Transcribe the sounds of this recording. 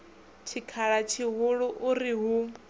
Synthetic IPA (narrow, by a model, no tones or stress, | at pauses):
t͡ʃʰikʰaɺat͡ʃʰiɦʊɺuʔuɾiɦu